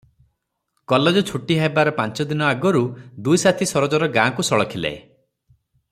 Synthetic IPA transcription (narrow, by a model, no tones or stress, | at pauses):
kɔled͡ʒɔt͡ʃʰuʈiɦajbaɾɔpant͡ʃɔd̪inɔaɡɔɾud̪ujsat̪ʰisɔɾɔd͡ʒɔɾɔɡãːkusɔɭɔkʰila̰e